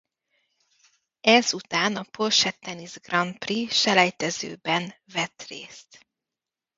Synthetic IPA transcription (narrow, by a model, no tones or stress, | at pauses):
ɛzut̪aːnɒpolʃɛt̪ːɛnizɡrɒnpriʃɛlɛjt̪ɛzø̰ːbɛnvɛt̪rḛːst̪